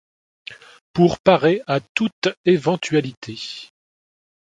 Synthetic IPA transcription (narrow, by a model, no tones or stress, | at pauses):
puʁpaʁeat̪ut̪evɑ̃t̪ɥalit̪ʰe